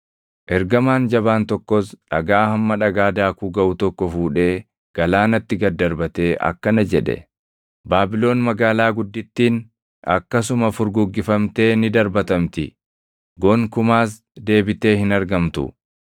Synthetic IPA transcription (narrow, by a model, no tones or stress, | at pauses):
ʔɛɾɡɐmaːnd͡ʒɐbaːnt̪ɔkːɔsᶑɐ̰ɡaːhɐmːɐᶑɐɡaːd̪aːkuːɡɐʔʊt̪ɔkːɔfuːᶑe̞ː | ɡ̥ɐlaːnɐt̪ːɪɡɐd̪ːɐɾbɐt̪e̞ːʔɐ̰kːɐnɐd͡ʒɛᶑɛ̰ | baːbɪlo̞ːnmɐɡaːlaːɡʊd̪ːɪt̪ːiːn | ɐ̰kːɐsʊmɐfʊɾɡʊɡːɪfɐmt̪e̞ːnɪd̪ɐɾbɐt̪ɐmt̪ɪ | ɡɔŋkʊmaːs̬ | d̪e̞ːbɪt̪e̞ːhɪnɐɾɡɐmt̪ʊ̰